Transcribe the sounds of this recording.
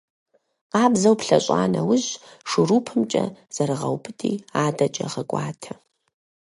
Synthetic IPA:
qɑːbzɐwpɬɐɕʼa̰ːnɐwʊʑʂɨɾuːpʰɨmt͡ʃʼɐz̥ɐɾɨʁɐ̰wpʰɨtʰʼiːaːdɐt͡ʃʼɐ̰ʁɐɡʷʼa̰ːtʰɐ

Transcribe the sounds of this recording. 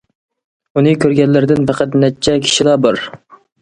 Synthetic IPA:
unɨkʲʰøɾɡʲɛnlːɪɾɪd̪ɪnpʰæqʰæt̪nɛt͡ʃʰːɛkʲʰi̥ʃilˠɑːbɑɾ

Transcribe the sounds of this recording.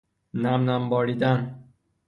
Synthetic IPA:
næmnæmbɒːɾiːd̪æn

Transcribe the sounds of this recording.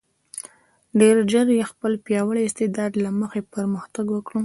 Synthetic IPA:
ɖeɾd͡ʒəɾjexpəlpjɑwəɽiɪst̪ed̪ɑd̪laməxepəɾməxt̪aɡwəkɽu

